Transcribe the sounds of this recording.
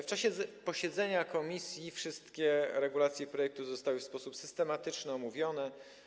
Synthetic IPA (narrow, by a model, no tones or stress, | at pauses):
ft͡ʂaɕɛpɔɕɛd̪zɛɲakɔmʲisʲjifʂɘst̪kʲɛɾɛɡulat̪sʲjɛpɾɔjɛk̚t̪uzɔst̪awɘfspɔsupsɘst̪ɛmat̪ɘt͡ʂnɘɔmuvʲjɔnɛ